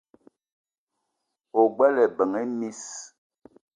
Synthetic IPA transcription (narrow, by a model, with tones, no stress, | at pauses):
o˨ɡ͡bɛ˦lɛ˨bə˨ŋe˦mi˦s